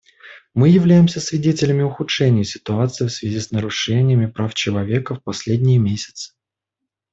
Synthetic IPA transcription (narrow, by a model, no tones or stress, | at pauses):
mɨjɪvlʲæjɪmsʲəsvʲɪdʲetʲɪlʲɪmʲɪʊxʊtʂɛnʲɪjəsʲɪ̥t̪ʊat̪sɨɪfsvʲɪzʲisnəɾʊʂɛnʲɪjəmʲɪpɾaft͡ɕɪlˠɐvʲe̞kəfpɐsʲlʲedʲnʲɪjəmʲesʲɪ̥t̪sɨ̥